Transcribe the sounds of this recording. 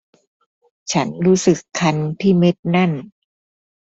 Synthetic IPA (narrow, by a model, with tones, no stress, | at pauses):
t͡ɕʰa˦˥nɾuː˦˥sɯ˨˩kʰːa˧nt̪ʰiː˥˩me˦˥t̪̚na˥˩n